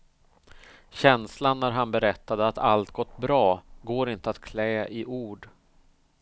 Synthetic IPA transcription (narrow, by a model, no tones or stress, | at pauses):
ɕɛnslanːæɾɦanbɛɾɛt̪ːad̪əat̪a̰lt̪ɡɔt̪ːbɾɑːɡoːɾɪnt̪əat̪kʰlɛːʔɪʔuːɖ